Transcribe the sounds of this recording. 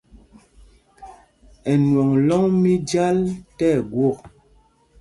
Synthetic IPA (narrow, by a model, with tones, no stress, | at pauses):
ɛ˨nwɔ˨ŋlɔ˦ŋmi˦d͡ʒa˦ltɛ˦˨ɡwo˦˨k̚